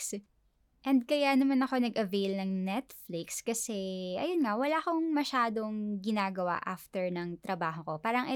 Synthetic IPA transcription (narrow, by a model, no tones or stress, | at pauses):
s | ʔɛnd̪̚kɐjaːnɐmɐnɐko̞nɐɡʔɐvejlnɐŋnɛt̪flɪkskɐsɛʔɐ̰jonŋawɐlaʔkoŋmɐʃaːd̪o̞ŋɡɪnaːɡɐwa̰ʔaft̪ɛɹnɐŋt̪ɾɐbaːɦoko̞paːɾɐŋʔɛ